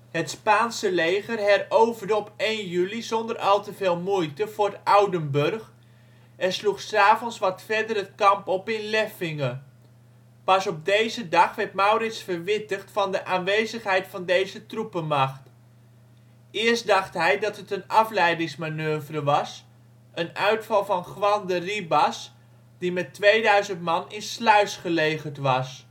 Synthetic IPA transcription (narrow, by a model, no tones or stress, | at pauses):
hətspaːnsəlejχərɦɛrowvəɹdəɔpejnjylizɔndərɑlˠtəveːlˠmujtəv̥ʊːɹdəawdəmbørχ | ʔɛnsluχsaːvɔnsʋɑtfɛɹdərət̚kɑmpɔpɪnlɛfɪŋə | pɑsɔb̚dejzədɑχʋɛɹtmawrɪtsfərʋɪtəχtfɑndəʔaːnʋejzəχɦɛjtfɑndejzətrupəmɑχt | ɪːɹsdɑχtɦɛjdɑtətənɑflɛjdɪŋsmanøːvrəʋɑs | ʔənœɥtfɑlˠvɑnχʋɑndəribɑs | dimɛtʋejdœɥzəntmɑnɪnslœɥsχəlejχəɹtʋɑs